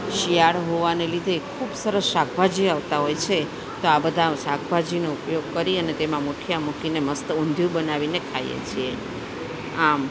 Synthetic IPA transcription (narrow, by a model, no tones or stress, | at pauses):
ʃijaɭɦoʋanelid̪ʱekʰubsəɾəsʃak̚ʰbʱad͡ʒiaʋt̪aɦojt͡ʃʰe | t̪oabəd̪ʱaʃak̚ʰbʱad͡ʒinoupjoɡ̚kəɾiənet̪emãmoʈʰijamukineməst̪əũnd̪ʱjũbənaʋinekʰaj̰ḛt͡ʃʰie | am